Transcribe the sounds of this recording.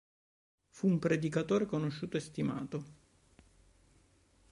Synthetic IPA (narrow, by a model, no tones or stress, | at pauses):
fuːmpɾed̪ikat̪oːɾekonoʃːuːt̪oest̪ima̰ːt̪o